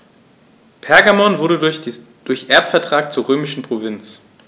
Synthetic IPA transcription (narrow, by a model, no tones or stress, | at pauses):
pʰɛɐɡamɔnvʊɐɾəd̥ʊɐçʔɛɐpfɛɐtʁ̥aːk̚t͡suːɐʁøːmɪʃn̩pʁ̥ovɪnt͡s